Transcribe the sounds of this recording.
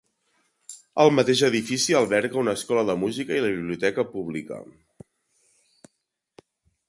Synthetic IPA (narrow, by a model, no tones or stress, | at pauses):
əlˠmət̪eʒəðifisiəlˠβɛɾɣəunəːskɔləðəmuzikəiləβiβliut̪ɛkəpuβlikə̰